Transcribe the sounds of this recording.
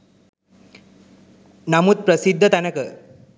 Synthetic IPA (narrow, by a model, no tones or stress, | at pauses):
namut̪̚pɾəsid̪ʱːət̪anakə